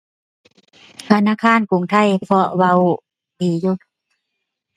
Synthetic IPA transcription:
t̪ʰa˧naː˧˥˨kʰaː˧˥˨nku˨˩˦ŋt̪ʰa˧˥˨jpʰɔ˧wa˧w | piː˨˦ju˧˩

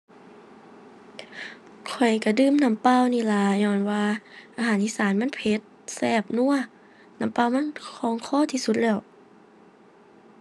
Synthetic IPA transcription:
kʰɔ˨˩jka˧˩dɯː˧˨mna˧˥˦mpa˧˥˨wniː˧˩˨la˧ɲɔː˧˩nwaː˧ʔaː˧ɦaː˨˦nʔiː˧˥˨saː˨˦nma˧˥˨npʰe˧˦t̪̚sɛː˧˩p̚nu˧˥˨ɐ | na˧˥˦mpaː˧˨wma˧˥˨nkʰɔː˧˦ŋkʰɔː˧˥˨t̪ʰiː˧˨su˧˦t̪̚lɛː˧˩w

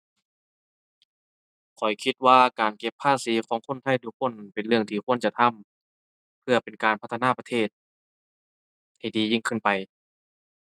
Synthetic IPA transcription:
kʰɔ˨˩jkʰi˧t̪̚waː˧˩kaː˨˩nke˧pʰːaː˧˥˩siː˨˦kʰɔː˨˦ŋkʰo˧˥˨nt̪ʰa˧˥˩jt̪ʰu˧k̚ʰːo˧˥˨npe˨nlɯ˥˧˩əŋt̪ʰiː˧˩kʰu˧˥˩ənt͡ɕa˧t̪ʰa˧˥˨m | pʰɯ˧ɐpe˨˩nkaː˨npʰa˧˥t̪ʰːa˧naː˧˥˩pa˧t̪ʰeː˧˩t̪̚ | ha˧˩jdiː˨˦ji˧˩ŋkʰɯ˧˥˨npa˨˩j

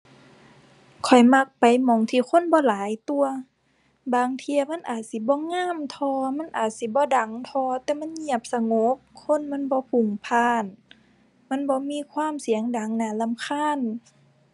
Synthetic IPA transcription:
kʰɔ˨˩jma˧k̚pa˨˩jmɔ˨˦ŋt̪ʰiː˧˩kʰo˧˥˨nbɔː˧˦laː˨˦jt̪u˧ɐ | baː˧ŋt̪ʰi˧ɐ˧ma˧˥˨nʔaː˨˩t̪̚si˨˧˦bɔː˧˦ŋaː˧˥˨mt̪ʰɔː˧ma˧˥˨nʔaː˨˩t̪̚si˧˦bɔː˧˦da˨˦ŋt̪ʰɔː˧t̪ɛː˧˦ma˧˥˨nɲi˧˩əp̚sa˧ŋo˧˦p̚kʰo˧˥˨nma˧˥˨nbɔː˧˦pʰu˨˧˩ŋpʰaː˧˩˨n | ma˧˥˨nbɔː˧˦miː˧˨kʰwaː˧˥˨msi˨˩˦əŋda˨˦ŋnaː˧˦la˧˨mkʰaː˧˥˨n

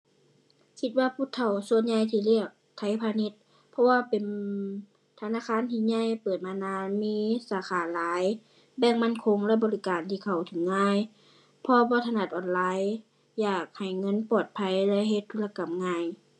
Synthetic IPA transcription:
kʰi˧t̪̚waː˧pʰuː˧˥˨t̪ʰːa˧˩wsu˧˨ənɲa˧jt̪ʰiː˧li˧˥˩ək̚t̪ʰa˧˥˩jpʰaː˧ni˧˥t̪̚ | pʰɔ˧waː˧pe˨˩n | t̪ʰa˧naː˧˥˨kʰaː˧˥˨nt̪ʰiː˧˩ɲa˧˥˨jpɤː˨˩t̪̚maː˧naː˧˥nmiː˧˥˨saː˨˧˦xaː˨˩laː˨˦j | bɛː˧˩ŋma˧˥˨nkʰo˧˥ŋlɛ˧˨bɔː˨li˦˧˥kaː˨nt̪ʰiː˧˩kʰa˨˩wt̪ʰɯ˨˦ŋːaː˧˥˨j | pʰɔ˧bɔː˧˦t̪ʰa˧na˧˩t̪̚ʔɔː˨˩nlaː˨˧˥j | jaː˨˩k̚ha˨˩jŋɤ˧˥˨npɔː˨˩t̪̚pʰa˧˥jlɛ˧˥ɦe˧˦t̪ʰːu˧˥˩la˧ka˨˩mŋaː˧˥˨j

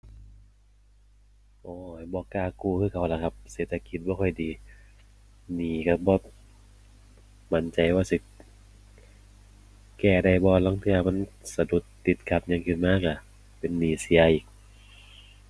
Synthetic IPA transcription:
ʔɔː˧˩˨bɔː˧˦kaː˧˩kuː˧˩kʰɯː˧˩kʰa˨˧˩wla˧˩kʰa˧p̚seː˨˩t̪̚ʰa˧ki˨˧˩t̪̚bɔː˧kʰɔ˧˩jdiː˨ | niː˨˩ka˧˩bɔː˧˦ | ma˧˦nt͡ɕa˧˨jwaː˧si˧˦ | kɛː˧˩da˧˩jbɔː˧lɔ˧˥˨ŋt̪ʰɯ˧ɐ˧ma˧˥˨nsa˧du˧˩t̪ːi˨˧˩t̪̚kʰa˧˩p̚ɲa˧˨ŋkʰɯ˧˩nmaː˧˥˨ka˧˩ | pe˨nːiː˨˩si˧˦ɐʔiː˨˩k̚

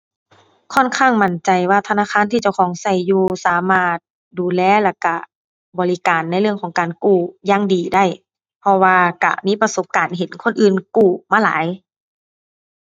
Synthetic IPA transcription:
kʰɔ˧˥˨nkʰaː˥˨ŋma˧˩nt͡ɕa˨˩jwaː˧˩t̪ʰnaː˧˥˨xʰaː˧˥˨nt̪ʰiː˧˩t͡ɕa˧˩wxʰɔː˨˦ŋsa˧˩jːuː˧saː˨˦maː˧˩t̪̚ | duː˨lɛː˧˨lɛː˧˩ka˧˩ | bɔː˨li˧˦kaː˨nːa˧˥jlɯ˥˩əŋkʰɔː˨˦ŋkaː˨˩nkuː˧˩jaː˧˥ŋdiː˨˩da˥˩j | pʰɔ˧waː˧ka̰˧˩miː˧˥˨pa˧so˧˦p̚kaː˨nɦe˨˦nkʰo˧˥˨nʔɯː˧˨nkuː˧˩maː˧˨la̰ː˨˦j

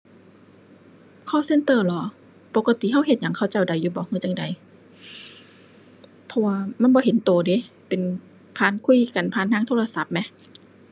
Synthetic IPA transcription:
kʰɔː˧˩˨se˧˨nt̪ɤː˧˩lɔː˨˦ | po˧˦ka˧t̪i˧˨˦ɦa˧˥˩wɦe˧t̪̚ɲa˨˦ŋkʰa˧˩wt͡ɕa˧˩wda˨jːuː˧bɔː˨˧˦hɯː˧˩˨t͡ɕa˧˩ŋda˨˩j | pʰɔ˧waː˧ma˧˥˨nbɔː˧˦ɦe˨˦nt̪oː˨˩deː˨˦ | pe˨n | pʰaː˧˨nkʰu˧˥˩jka˨npʰaː˧˥˨nt̪ʰaː˧˥ŋt̪ʰoː˧˨la˧sa˧˦p̚mɛ˧˥

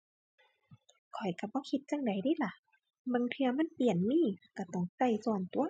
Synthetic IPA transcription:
kʰɔ˨˩jka˧˩bɔː˧˦kʰi˧˦t̪̚t͡ɕa˧˥ŋda˨˩˦jdiː˧˥˨la˧˩ | bɤ˧˨ŋt̪ʰɯ˧ɐma˧˥˨npi˨˩ənmiː˧˥˨ka˧˩t̪ɔ˧˩ŋsa˧˩jsu˧˩ənt̪u˨˧˦ɐ

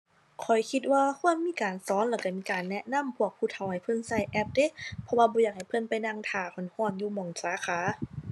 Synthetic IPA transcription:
kʰɔ˨˩jkʰi˧t̪̚waː˧kʰu˧˥ənmiː˧˥˨kaː˨nsɔː˨˦nlaː˧˩ka˧˩miː˧˨kaː˨˩nːɛ˧ʔna˧˥˨mpʰu˧˩ək̚pʰuː˧˩t̪ʰa˨˧˩wha˧˩jpʰɤ˧˥˨nsa˧˩jʔɛ˧˥p̚deː˧˥˨t̪pʰɔ˧waː˧bɔː˧˦jaː˧˩k̚ha˨˩jpʰɤ˧˥˨npa˨jna˧˨ŋt̪ʰaː˨˩kʰɔ˧˩˨nhɔː˧˩˨njuː˧˩mɔː˨˩ŋsaː˨˦xʰaː˨˦

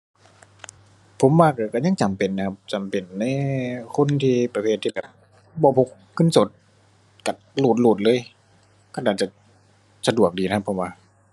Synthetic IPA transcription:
pʰo˨˦mwaː˧˩ka˧˩ka˧˩ɲa˧˥˨ŋt͡ɕa˨˩mpe˨˩nːa˧kʰa˧p̚t͡ɕa˨˩mpe˨˩nːa˧˥˨kʰo˧˥˨nt̪ʰiː˧pa˧pʰeː˧˩t̪ʰːi˧bɛː˧˨˩p̚ | bɔː˧˩pʰo˧˩ | kʰɯ˧˥˨nso˨˧˦t̪̚ | ka˧˩ | luː˧˩t̪̚luː˧˩t̪̚lɤː˧˥˨j | kaː˧˩˨daː˨˩t͡ɕa˨˧˩ | sa˧du˨˩ək̚diː˨˩a˦kʰa˧pʰːo˨˧˦mwaː˧˩

